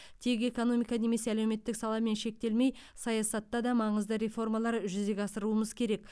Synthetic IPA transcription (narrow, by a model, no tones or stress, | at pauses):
t̪ʰe̞ke̞ko̞no̞mijkɑneme̞seælewme̞t̪ːɪksɑlˠɑme̞nʃe̞k̚t̪e̞lme̞jsɑjɑsɑt̪ːɑd̪ɑmɑɴəzd̪əɾe̞fo̞rmɑlˠɑɾʒʏze̞ɡʲɑsəɾuəməzkʲʰe̞ɾe̞k̚